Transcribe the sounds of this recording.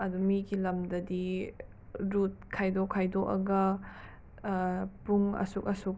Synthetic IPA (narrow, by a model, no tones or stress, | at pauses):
ɐdumiɡilɐmdɐdi | ɾut̚kʰajdokʰːajdoʔɐ̰ɡɐ | puŋɐ̰sukɐsuk̚